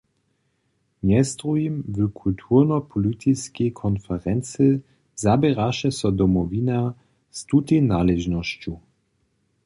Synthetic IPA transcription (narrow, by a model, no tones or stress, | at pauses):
mɲɛst̪ʁujimvɨkʰult̪ʰurnɔpʰɔlit̪ʰiskɛjkʰɔnfɛʁɛnt͡sɨ | zabɛɾaʃɛsɔd̪ɔmɔvina | st̪ut̪enalɛʒnɔɕt͡ɕu